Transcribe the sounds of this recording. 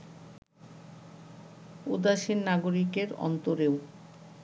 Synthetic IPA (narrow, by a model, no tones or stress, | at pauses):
ṵd̪aʃinnaɡoɾikeɾɔ̰nt̪oɾew